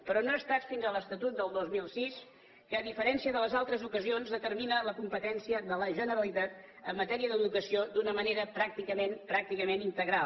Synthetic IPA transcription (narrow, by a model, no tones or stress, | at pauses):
pɾɔnoəst̪at͡sfinzələst̪ət̪ut̪̚d̪əlˠd̪ozmilˠsis | kəːðifəɾɛnsiəðələzalˠt̪ɾəzukəzionzðət̪ərminələkumpət̪ɛnsiəðələʒənəɾəlit̪at̪ | əmːət̪ɛɾiəðəðukəsiod̪unəməneɾəpɾak̚t̪ikəmenpɾak̚t̪ikəmenint̪əɣɾal